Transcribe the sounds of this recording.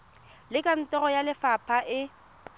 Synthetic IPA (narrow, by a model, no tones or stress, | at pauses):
lɪkʼan̩tʼɔɣɔjalɪfapʰaʔɪ